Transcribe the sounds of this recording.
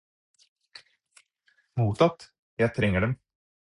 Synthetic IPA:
muːt̪ɑt̪ː | jæt̪ʰɾɛŋːəɖɛm

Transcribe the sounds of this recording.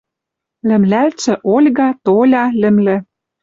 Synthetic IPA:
lɘ̆mlælt͡sɘ̆ʔolʲɣɑt̪olʲɑlɘ̆mlɘ̆

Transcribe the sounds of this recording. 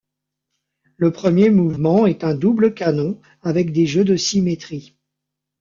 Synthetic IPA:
ləpχəmjemuvmɑ̃ɛt̪ɛ̃d̪ubləkanɔ̃ | avɛk̚d̪eʒød̪əsimet̪χi

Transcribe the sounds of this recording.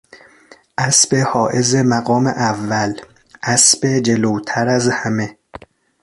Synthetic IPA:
ʔæsbehɒːʔezemæɣɒːmḛʔævːæl | ʔæsb̥ed͡ʒelowt̪ʰæɾæzhæme

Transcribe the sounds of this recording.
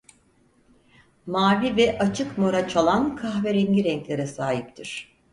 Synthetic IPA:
maːvivɛʔat͡ʃʰɯkmo̞ɾat͡ʃʰalˠankʰaxveɾɛɲɟiɾɛɲclʲeɾɛsaːɦip̚t̪ʰiɾ̥

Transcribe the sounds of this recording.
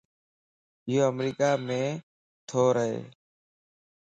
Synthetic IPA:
ɪɦoːəmɾiːkaːmẽː | t̪ʰoːɾəɦḛː

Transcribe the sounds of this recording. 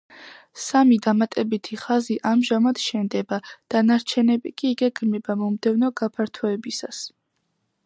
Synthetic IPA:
samid̪amat̪ʼɛbit̪ʰiχaziʔamʒamad̪̥ʃɛnd̪ɛbad̪̥anaɾt͡ʃʰɛnɛbikʼiːɡɛɡmnɛbamɔmd̪ɛvnɔɡapʰaɾt̪ʰɔɛbisas

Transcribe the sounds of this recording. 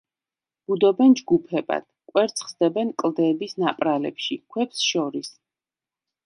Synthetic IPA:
b̥ud̪ɔbɛnd͡ʒɡupʰɛba̰d̪̥kʼwɛɾt̪sʰχsd̪ɛbɛnkʼlˠd̪ɛːbisnapʼɾalɛ̰pʃikʰwɛpsʃɔɾis

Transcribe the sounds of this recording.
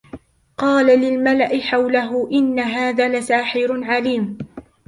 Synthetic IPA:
qɑːlalɪlmalaʔɪħawlaɦʊʔɪnːaɦaːðaːlasaːħɪɾʕaliːm

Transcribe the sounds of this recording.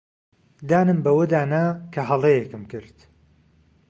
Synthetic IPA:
d̪aːnɨmbɐwɐd̪aːnɐkʰɐɦɐlˠejekɨmkɨɾt̪

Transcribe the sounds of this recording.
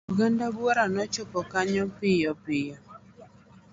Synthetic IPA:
uɡandabwɔɾanɔt͡ʃʊpɔkaɲɔpɪjɔpɪjɔ

